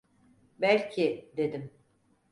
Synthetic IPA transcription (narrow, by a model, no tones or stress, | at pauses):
bælʲcʰid̪e̞d̪im